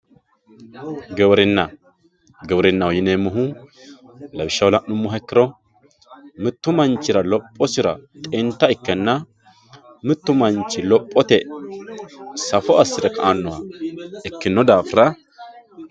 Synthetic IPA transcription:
ɡɛwɾɪnːɐ | ɡɛwɔɾɪnːɐwɔjɪneːmːɔɦu | lɐbɪʃːɐwlɐʔʊmːʊɦɛkːɪɾɔ | mɪt̪ːʊmɐnt͡ʃːɪɾɐlɔpʼːɔsɪɾɐt̪ʼɪnt̪ːɐɪkːɛnːɐ | mɪt̪ːʊmɐnt͡ʃːɪlɔpʼːɔt̪ɛ | sɐfɔɐsːɪd̪ɛkɐanːɔwaɪkːɪnːɔd̪aːfɾɐ

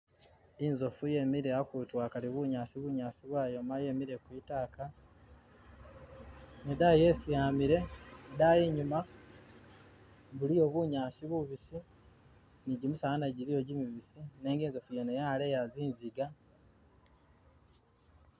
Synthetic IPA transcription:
inzo̞fuje̞miɾejakutwaːkaliβuɲaːsiβuɲaːsiβwaːjo̞maje̞miɾe̞kwitaːka | nedajesijaːmiɾe̞dajiɲuma | βulijo̞βuɲaːsiβuβisi | niɟimusaanaɟilijo̞ɟimiβisineːŋɡiːnzo̞fujenejaːlejaziːnziɡa

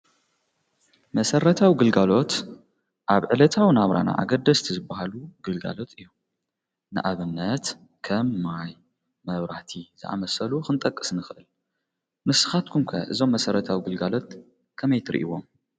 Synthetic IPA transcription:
mɐsɐɾɐt̪ʰawiɡɨlɡalo̞t̪ | ʔaβʕɨlɐt̪ʰawnaβɾa̰na̰ʔa̰ɡɐd̪ːɐst̪ʰizɨbːahaluɡɨlɡa̰lo̞t̪ʰʼɨjːu | nɨʔaβɨnːɐt̪ | kʰɐmːaj | mɐβɾaħt̪ʰiz̥ɨ̰ʔa̰mɐsɐluxɨnt̪ʼɐkʼːɨ̥snɨxɨʔɨl | mɨsɨ̥xat̪̚kʰumkʰɐʔɨzo̞mːɐsɐɾɐt̪ʰawiɡɨlɡalo̞t̪̚ | kʰɐmɐjt̪ʰɨɾ̰ʔḭwo̞m

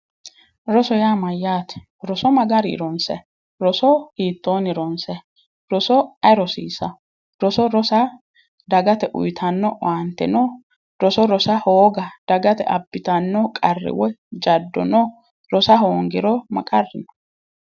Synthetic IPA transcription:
ɾɔsɔjaːmɐjːaːt̪ɛ̥ | ɾɔsɔmɐɡɐɾɪ̰ɾɔnsɛ̰ | ɾɔsɔhiːt̪ːoːnɪɾɔnsɛ | ɾɔsɔɐɾɔsḭːsɐ | ɾɔsɔɾɔsɐ | d̪ɐɡɐt̪ɛʔʊ̰jt̪ʰɐnːɔʔɐnt̪ːɛ̰nɔ | ɾɔsɔɾɔsɐhoːɡɐd̪̥ɐɡɐt̪ɛ̰ʔɐbːɪt̪ɐnːɔkʼɐrːɪ̰wɔd͡ʒɐd̪ːɔ̰nɔ | ɾɔsɐɦoːŋɡɪɾɔmɐ̰kʼɐrːɪnɔ̥

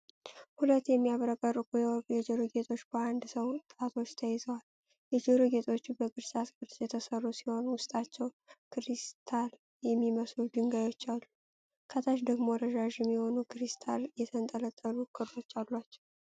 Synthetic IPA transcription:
hulət̪ːjɛmːijaβɾəkʼəɾɨkʼujɛjɛd͡ʒeɾoɡe̞t̪ʰʼo̞t͡ʃːb̥əand̪səwt̪ʼat̪ʰo̞t͡ʃːt̪ʰəjɛzəwal | jɛd͡ʒeɾoɡe̞t̪ʰʼo̞t͡ʃːbəɡɨɾsasɡɨɾt̪jɛt̪ʰəsərːusiho̞nwʊst̪ʼat͡ʃːɛw | kɨɾist̪ʰal | jɛmːiməslud̪ɨŋɡajo̞t͡ʃːalːu | kʰət̪ʰaʃd̪əɡmo̞ɾəʒaʒjɛmːiho̞nukʰɨɾist̪ʰaljɛt̪ʰənt̪ʼələt̪ʼːəlukʰɨɾlo̞t͡ʃːalːat͡ʃːɛw

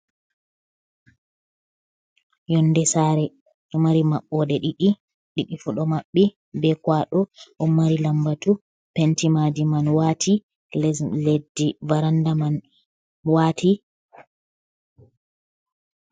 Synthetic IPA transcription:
jɔnːdɛsaːɾɛ | ʔumaɾimaɓːɔɗɛɗiɗi | ɗiɗifuɗɔmaɓːi | bɛkwaɗɔʔumːaɾilambatu | pɛntimadimanwatʰi | lledːivaɾandaman | watʰi

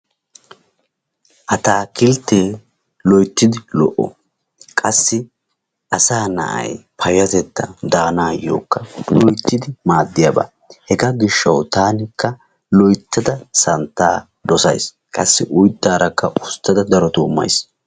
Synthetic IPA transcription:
ʔɐt̪aːkɪlt̪ːeː | lɔjt̪ːɪd̪ɪlɔ̰ʔːɔ̰ | kʼɐsːɪ | ʔɐsaːnɐ̰ʔɐ̰jpʰɐjʊɐt̪ɛt̪ːɐd̪aːnaːjo̰ːkːɐlɔjt̪ːɪd̪ɪmaːd̪ːɪjɐba̰ | hɛɡɐɡɪʃːɐwt̪aːnɪkːɐ | lɔjt̪ːɐd̪ɐsɐnt̪ːaː | d̪ɔsɐ̰js | kʼɐsːɪʔʊjt̪ːaːɾɐkːɐʔʊst̪ːɐd̪ɐd̪ɐɾɔt̪uːmːɐ̰js

